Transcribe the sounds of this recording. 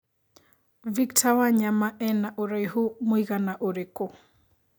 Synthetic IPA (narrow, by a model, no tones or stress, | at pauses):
viktʰawaɲamaʔɛnaʔoɾajɦumuiɣanaʔoɾeko